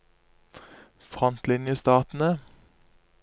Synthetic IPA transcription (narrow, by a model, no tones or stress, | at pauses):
fʁɔnt̪lɪnjəst̪ɑːt̪n̩ə